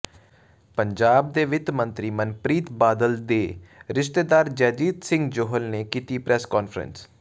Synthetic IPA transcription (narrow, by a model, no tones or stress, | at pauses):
pəɲd͡ʒaːb̚d̪eːʋɪt̪mənt̪ɾiːmənpɾiːt̪baːd̪əld̪eːɾɪʃt̪eːd̪aːɾd͡ʒɛːd͡ʒiːd̪sɪ̃ŋɡd͡ʒoːɦəlneːkiːt̪iːpɾɛskɔːnfʰɾə̰ns